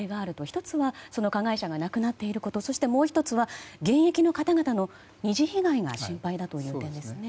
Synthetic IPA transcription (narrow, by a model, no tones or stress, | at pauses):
eɡaːɾɯ̟t̪o̞çi̥t̪o̞t͡sɨβaso̞no̞kaɡaiɕaɡanakɯ̟nat̪ːe̞iɾɯ̟ko̞t̪o̞so̞ɕi̥t̪e̞mo̞ːçi̥t̪o̞t͡sɨβaɡẽ̞ɰ̃e̞kʲino̞kat̪aɡat̪ano̞ | ɲ̟iʑiçiɡaiɡa̰ɕĩmpaid̪at̪o̞jɯ̟ːt̪ẽ̞nd̪e̞sɨne̞